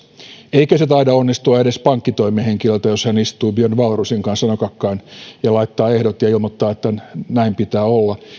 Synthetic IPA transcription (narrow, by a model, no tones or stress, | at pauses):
eikøset̪ɑidɑonːist̪uɑeɾe̞spɑŋkːit̪oimeheŋkilølt̪æjo̞shænist̪uːbønʋɑlrusiŋkɑnssɑnokɑkːɑːnjɑlɑit̪ːɑːehdot̪jɑilmot̪ːɑːet̪ːænæimpit̪æːolːɑ